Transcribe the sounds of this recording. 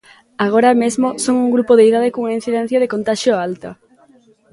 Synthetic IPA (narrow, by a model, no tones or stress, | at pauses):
aɣ̞oɾamezmosoŋuŋɡɾupoðeiðaðɪkoŋaĩn̟θiðɛn̟θjɐðekont̪aʃjoalt̪ɐ